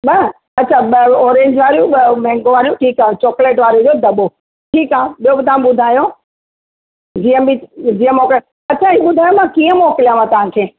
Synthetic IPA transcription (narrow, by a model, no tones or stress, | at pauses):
ɓɐ | ɐtːt͡ɕʰaːɓɔːɾẽːɲd͡ʑʋaːɾijũɓmɛ̃ːŋɡoʋaːɾijũʈʰiːkãːt͡ɕɔːkleːʈʋaːɾed͡ʑoːd̪ɐɓo | ʈʰiːkaːɓijobɪt̪ãɓʊd̪ʱaːjo | d͡ʑijə̃bid͡ʑiːə̃mɔːkl | ɐtːt͡ɕʰaːɦiɓʊd̪ʱaːjomãkiːə̃mɔːkɪlijãʋãt̪ɐʋ̤ãkʰeː